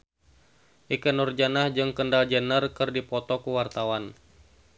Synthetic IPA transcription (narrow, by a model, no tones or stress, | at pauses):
ʔikənurd͡ʒanahd͡ʒɨŋkəndald͡ʒənərkɨrdipɔt̪ɔkuwart̪awan